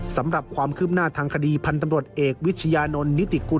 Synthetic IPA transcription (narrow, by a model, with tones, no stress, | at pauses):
sa˩˦mɾa˨˩p̚kʰwaː˧mkʰɯː˥˩p̚naː˥˩t̪ʰaː˧ŋkʰa˧diː˧pʰa˧nt̪a˧mɾu˨˩ət̪̚ʔeː˨˩k̚wi˦˥t̪̚t͡ɕʰa˧jaː˧no˧nːi˦˥t̪i˨˩ku˧